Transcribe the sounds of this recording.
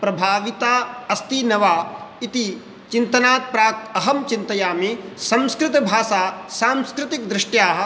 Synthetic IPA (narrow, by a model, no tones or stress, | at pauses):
pɾɐbʱaːʋit̪aːɐst̪inɐʋaːit̪i | t͡ʃint̪ɐnaːt̪̚pɾaːk̚t̪ɐɦɐmt͡ʃint̪ɐjaːmisɐ̃mskɾɪt̪ɐbʱaːsaːsaːmskɾɪt̪ik̚d̪ɾɪʂʈjaːɦɐ̆